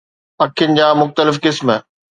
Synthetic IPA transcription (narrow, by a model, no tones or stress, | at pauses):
ɐkʰijʊnɪ̆d͡ʑaːmʊxt̪əlɪfkɪsm